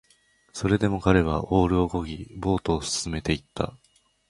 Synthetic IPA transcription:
so̞ɾe̞d̪e̞mo̞kaɾe̞β̞aʔo̞ːɾɯ̟o̞ko̞ɡʲibo̞ːt̪o̞ːsɨ̥sɨme̞t̪e̞it̪ːa̰

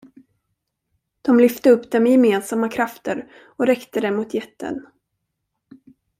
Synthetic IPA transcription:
d̪̥ɔmlʏft̪əɵpːd̪ɛmɛjɛmeːnsamːakʰɾaft̪ʰəɾ | ɔɾɛkt̪əd̪ɛmʊt̪ʰjɛt̪ːə̰n

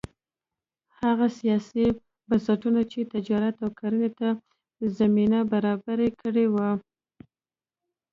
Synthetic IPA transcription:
haɣasijɑsi | bansaʈunat͡ʃet̪ɪd͡ʒɑɾat̪awkʰaɾənet̪a | zaminabaɾɑbaɾekʰəɽewa

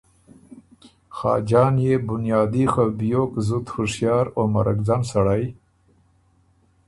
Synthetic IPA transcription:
xɑ̰ːd͡ʒɑːnjebʊnjɑːd̪ixabjokzut̪xʊʂjɑːɾoma̰ɾa̰kd͡zansaɽaj

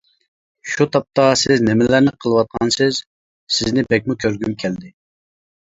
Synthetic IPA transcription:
ʃut̪ʰɑp̚t̪ɑsɪznɪmɪlæɾnɪqʰəlˠɨwɑt̪̚qʰɑnsɪz̥ | sɪznɪbɛk̚ʲmukʲʰøɾɡʲymkʲʰɛld̪ɪ

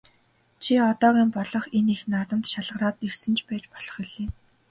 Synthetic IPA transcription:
t͡ɕʰiɔt̪ɔːɣiːmpɔɮɞ̆χenixnaːt̪ə̆mt̪ʃaɮə̆ʁraːt̪irsɘ̆nt͡ɕʰpæːt͡ɕpɔɮ̥ɞ̥̆χiɮeː

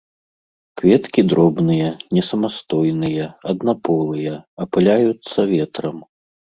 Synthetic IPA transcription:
kvʲɛt̪kʲid̪ɾɔbnɨjɐnʲɛsɐmast̪ɔjnɨjɐɐd̪napɔlˠɨjɐɐpɨlʲajut̪sːɐvʲɛt̪ɾɐm

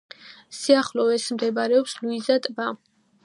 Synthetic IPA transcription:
siaχlɔɛsmd̪ɛbaɾɛɔpsluizat̪ʼba

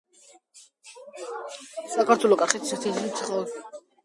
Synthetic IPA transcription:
sakʰaɾt̪ʰwɛlɔkʼaχɛt̪ʰsɛt̪ʰizlit̪sʰχa

